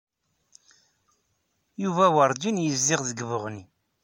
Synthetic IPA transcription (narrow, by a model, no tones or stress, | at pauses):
juvæwəɾˤd͡ʒinjəzːɪʁðəɡvʊʁni